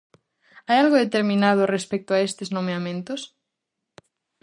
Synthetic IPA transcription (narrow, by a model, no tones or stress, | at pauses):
ajalɣoðet̪eɾmĩnað̞orespek̚t̪oaest̪eznomeamẽnt̪os